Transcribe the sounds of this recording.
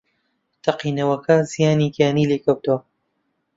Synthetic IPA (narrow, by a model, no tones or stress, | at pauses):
t̪ʰɐqiːnɐwɐkʰɐzijaːniɡjaːniːleːkʰɐwt̪ɐwɐ